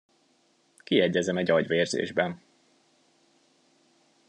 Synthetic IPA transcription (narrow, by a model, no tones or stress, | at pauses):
kiɛɟɛzɛmɛɟɒɟʋeːrzḛːʒbɛn